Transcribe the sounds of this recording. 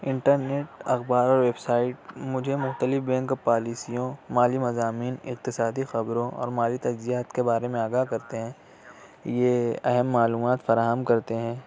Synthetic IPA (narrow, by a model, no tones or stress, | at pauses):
ɪ̃ɳʈəɾneːʈɐxbaːɾɔːɾʋeːbsaːɪʈ̚mʊd͡ʒʱemʊxt̪əlɪfbɛ̃ːŋkpaːliːsijõmaːlimɐzaːmiːnɪ̰q̚t̪ɪsaːd̪ixɐbɾõɔ̰ːɾmaːlit̪ɐd͡ʒzijaːt̪kebaːɾemẽaːɡaːɦkɐɾt̪eɦɛ̃ː | jeɐɦɛmːaːluːmaːt̪fɐɾaːɦəmkɐɾt̪eɦɛ̃ː